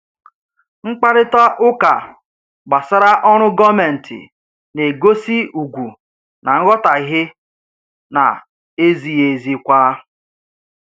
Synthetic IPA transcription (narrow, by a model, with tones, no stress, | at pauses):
ŋ͡m̩˦k͡pa˦ɾɪ˦tɔ˦ʔʊ˦ka˨ | ɡ͡ba˨sa˦ɾa˦ʔɔ˦ɾ̃ʊ˦ɡɔ˦me˨n̩˨tʰɪ̰˨ | ne˨ɡo˦si˦u˨ɡʷu˨ | na˨ŋ̩˦ɣɔ˦ta˨ɪ˨˦ɦɪ˦ | na̰˨ | e˦zi˨je˨zi˦kʷa˦